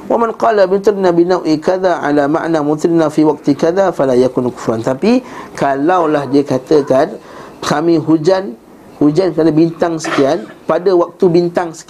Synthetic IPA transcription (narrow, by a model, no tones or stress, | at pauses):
wamãnqɑːlamut̪ɾinabinawʔikaðaʕa̰lama̰ʔnamut̪ɾinafiwak̚t̪ikaðafalajakunku̥fɾant̪apikalawlahdiakat̪əkankamĩɦud͡ʒan | hud͡ʒankad̪abint̪aŋsə̥kianpadəwak̚t̪ubint̪aŋsə̥k